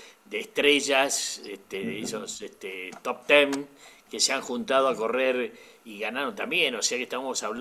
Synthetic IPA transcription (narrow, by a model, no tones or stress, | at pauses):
d̪eːst̪ɾeʒaseht̪eðeesoset̪et̪op̚t̪emkeseaŋxunt̪að̞oako̞reɾ | iɣanaɾont̪ambjeno̞se̞akeht̪aβamosaβl